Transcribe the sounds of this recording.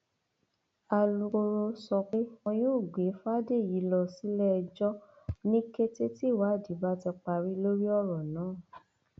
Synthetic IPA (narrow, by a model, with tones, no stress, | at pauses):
a˧lu˧ko˧ɾo˧sɔ˧k͡pe˦w̃ɔ̃˧joː˦˨ɡ͡be˨˦fa˦de˦˨ji˨˦lɔ˧si˦lɛ˦˧d͡ʒɔ˦ | nĩ˦ke˦te˦ti˦˨wa˨˦˨di˨˦ba˦ti˧k͡pa˧ɾi˦lo˦ɾi˦ɔ˦˨ɾɔ˨nãː˨˦˨